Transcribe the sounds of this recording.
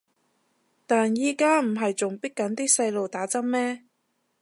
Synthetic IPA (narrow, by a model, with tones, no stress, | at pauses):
t̪aː˨njiː˨˧kaː˥m̩˨˩ɦɐ˨jt͡sʊ˨ŋpi˥kkːɐ˨˥nt̪iː˥sɐ˧jlo˨wt̪aː˨˥t͡sɐ˥m̚mɛː˥